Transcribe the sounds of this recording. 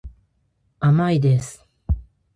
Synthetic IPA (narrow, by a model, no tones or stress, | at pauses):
amaid̪esɨ̥